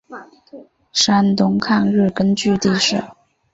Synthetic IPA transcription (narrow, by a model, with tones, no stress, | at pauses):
ʂa˥nt̪ʊ˧˥ŋkʰa˥˧ŋɻɻ̩˥˩kə˥nt͡ɕy˥˧t̪i˥˧ʂɻ̩˥˩